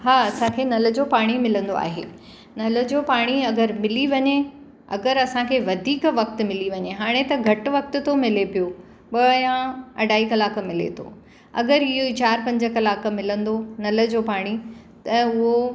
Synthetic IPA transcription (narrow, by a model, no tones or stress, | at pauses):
ɦaːɐsãkʰeːnɐlə̆d͡ʑoːpaːɽ̃imɪlə̃nd̪o̰a̰ːɦḛː | nɐlə̆d͡ʑoːpaːɽ̃iɐɡəɾmɪliʋɐɲe | ɐ̰ɡəɾɐsãkʰeːʋɐd̪ʱiːkʋɐk̚t̪ʊmɪliʋɐɲeɦaːɽ̃et̪ɐɡʱɐʈʊ̆ʋɐk̚t̪ʊ̆t̪ʰomɪlepijo | ɓɐjãɐ̰ɖʱaːikɐlaːkmɪlḛt̪ʰo̰ː | ɐ̰ɡəɾɪɦoit͡ɕaːɾpɐ̃ɲd͡ʑə̆kɐlaːk̆mɪlə̃nd̪onɐlə̆d͡ʑoːpaːɽ̃i | t̪ɐʊɦo